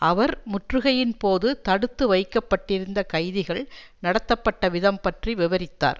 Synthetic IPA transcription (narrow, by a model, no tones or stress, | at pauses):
ʔɐʋɐɾmʊʈrɯɣɐjɪnpoːðɯt̪ɐɽɯt̪ːɯʋɐɪkːɐpːɐʈːɪɾɯnd̪ɐkɐɪðɪɣɐɭnɐɽɐt̪ːɐpːɐʈːɐʋɪðɐmpɐʈriʋɪʋɐɾɪt̪ːa̰ːɾ